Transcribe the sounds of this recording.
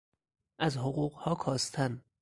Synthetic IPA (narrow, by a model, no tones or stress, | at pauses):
ʔæzɦoɢuːɢhɒːkʰɒːst̪ʰæn